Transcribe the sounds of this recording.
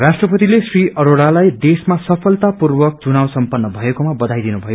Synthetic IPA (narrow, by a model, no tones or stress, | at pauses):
rasʈrʌpʌt̪ilesriʔʌɾoɽalajd̪esmasʌpʰʌlt̪apurbʌk̚t͡sunawsʌmpʌnːʌbʱʌekomabʌd̪ʱajd̪inubʱʌjo